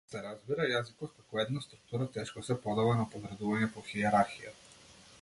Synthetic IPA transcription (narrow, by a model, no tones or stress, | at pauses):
sɛɾazbiɾajazikɔt̪kakoɛd̪nast̪ɾuk̚t̪uɾat̪ɛʃkosɛpod̪avanapovɾad̪uvaɲɛpoxiɛɾaɾxija